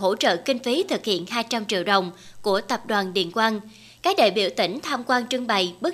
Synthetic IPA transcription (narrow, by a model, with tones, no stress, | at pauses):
ɦo̰˧˥t͡ɕə̰ː˧˨kï˧ŋ̟fi˨˦t̪ʰɨ˨˩k̚hḭ˧˨ənɦaː˧jt͡ɕa˧mt͡ɕḭ˧˨əwɗə˨˩wŋ͡mku˧˩ət̪ə˨˩p̚ɗwaː˨˩nɗḭ˧˨ənkwaː˧n | kaː˦˥k̚ɗḛː˧˨jɓḭ˧˩əwt̪ï˧˩ŋ̟t̪ʰaː˧mkwaː˧nt͡ɕɨ˧əŋɓa˧˩jɓɨ˦˥